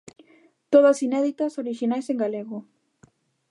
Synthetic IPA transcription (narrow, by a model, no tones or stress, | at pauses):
t̪oðasinɛðit̪asoɾiʃinajsẽŋɡaleɣo